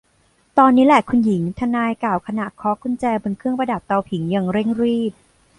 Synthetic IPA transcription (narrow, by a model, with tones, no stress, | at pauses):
t̪ɔː˧nːiː˦˥lɛ˨˩kʰu˧nji˩˦ŋt̪ʰa˧naː˧jkaː˨˩wkʰa˧na˨˩kʰɔː˦˥kʰu˧nt͡ɕɛː˧bo˧nkʰɯ˥˩əŋpa˧da˨˩p̚t̪a˧wpʰi˩˦ŋja˧ŋɾe˥˩ŋɾiː˥˩p̪̚